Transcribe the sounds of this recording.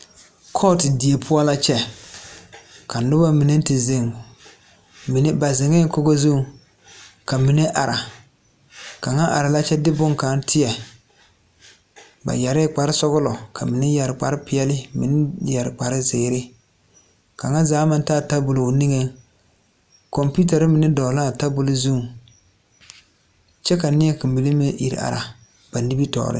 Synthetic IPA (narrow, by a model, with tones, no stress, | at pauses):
kʰɔ˦˨tɪ˨di˨e˨pʰʊ˦a˦la˦t͡ʃɛ˦ | ka˨nʊ˦ba˦mi˨ne˦n˦tɪ˨ze˨ŋ | mi˨n˦ba˨zɪ˨ŋe˦ŋ˦ko˦ɡo˦zu˦ | ka˨mi˨ne˦ʔa˨ɾa˨ | ka˨ŋa˦ʔa˨ɾa˨la˦t͡ʃɛ˦dɪ˦bʊ˦ŋka˨˦n˦tʰɪ˦jɛ˨ | ba̰˨jɛ˨ɾɪ˦k͡pa˨ɾɪ˦sɔ˦ɣʊ˦lɔ˨ka˨mɪ˨nɪ˦ja˨ɾɪ˨k͡pa˨ɾɪ˦pɪ˨ɛ˦lɪ˦mi˨nɪ˦ja˨ɾɪ˨k͡pa˨ɾɪ˦zeː˨˦ɾɪ˦ | ka˨ŋa˦zaː˨˦ma˦n˦taː˦˨ta˦bʊ˨lo˨ni˦ŋe˦ | kɔ˨mpu˦t̬a˨ɾɪ˦mɪ˨nɪ˦dɔ˨la˦˨ta˦bʊ˦lʊ˦zu˦˨ŋ | t͡ʃɛ˦ka˨nɪ˦ɛ˦ki˨m˨bi˨le˦me˦ʔḭ˨ɾ̰a̰˨ɾa˨ | b̥a˨ni˦bi˦tɔ̰ː˨ɾɪ̰˦